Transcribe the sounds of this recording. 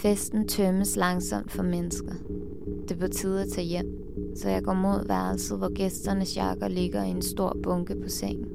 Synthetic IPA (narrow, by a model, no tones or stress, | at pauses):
fesd̥n̩t͡sʰœməslɑ̈ŋsɒ̽m̰d̥fɒ̽menəsɡ̥ɐ | d̥epʰɒt͡sʰiðˠæt͡sʰæ̰jem̰ | sɒ̽jɑ̈ɪɡ̥ɒ̰ːmo̝ð̞̰ˠʋæɐl̩sð̩ˠʋɒɡ̥esd̥ɐnəsjɑ̈ɡ̥ɐle̝ɡ̥ɐie̝nsd̥o̝ɐ̰b̥ɔ̽ŋɡ̥əpʰɒ̽seŋ̰n̩